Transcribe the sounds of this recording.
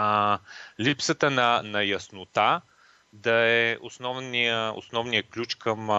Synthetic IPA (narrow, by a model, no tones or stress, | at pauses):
lipsət̪ənɐnɐjɐsnʊt̪a | d̪ɐɛosnɔvnijəo̰snɔvnijəklʲut͡ʃkɐm